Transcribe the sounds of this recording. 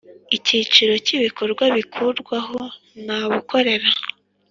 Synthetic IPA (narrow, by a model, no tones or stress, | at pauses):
iciːt͡ʃiɾo̞ciβiko̞ɾɡwaβikʰuɾɡwaɦo̞ | naβukʰo̞ɾe̞ɾa